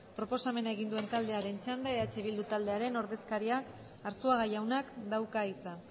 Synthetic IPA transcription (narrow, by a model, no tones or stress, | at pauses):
pɾo̞po̞same̞naeɣind̪ue̞nt̪ald̪e̞aɾe̞nt͡ʃand̪eat͡ʃe̞β̞ild̪ut̪ald̪e̞aɾe̞no̞ɾðe̞skaɾiak | aɾsuaɣajawnakd̪awkait͡sa